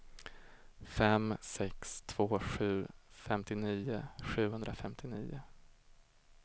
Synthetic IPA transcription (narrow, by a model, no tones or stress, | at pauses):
fɛmsɛkst̪ʰv̥oːɧʉ̟ːfɛmt̪ɪniːʊɧʉ̟ːɦɵnd̪ɾʔafɛmt̪ʰɪniːʊ